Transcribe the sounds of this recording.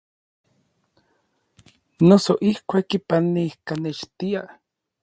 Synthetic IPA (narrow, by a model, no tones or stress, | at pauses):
nosoʔihkʷakːipanːihkanet͡ʃt̪ia